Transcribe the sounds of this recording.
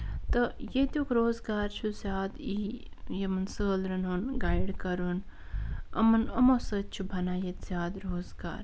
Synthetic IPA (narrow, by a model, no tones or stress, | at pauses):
t̪ɐjet̪ʲuːkɾoːzɡaːɾt͡ʃʰuzʲjaːd̪ijemɐnsəːlɾɐnonɡaːjɖkɐɾuːn | ɐ̰mɐnɐmosəːt̪̚t͡ʃʰubʱɐnaːjet̪zʲjaːd̪ɾoːzɡa̰ːɾ